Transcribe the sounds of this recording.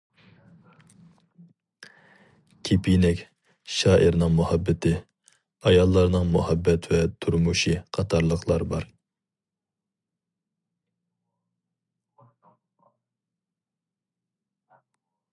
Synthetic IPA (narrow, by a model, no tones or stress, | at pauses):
kʲʰipʰijnɪkʲ | ʃɑːʔiɾnɨŋmuhɑbːɪt̪ʰɪ | ɑjɑlˠːɑɾnɨŋmuhɑbːɛt̪vɛt̪ʰuɾmuʃiqʰɑt̪ʰɑɾlˠəqʰlˠɑɾbɑɾ